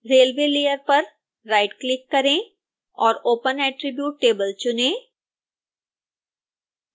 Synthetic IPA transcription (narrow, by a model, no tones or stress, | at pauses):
ɾeːlʋeːliːjəɾpɐɾ | ɾaːɪʈklɪkːɐɾẽ | ɔːɾoːpənɛːʈɾɪbjuːʈːeːbəlt͡ʃʊnẽː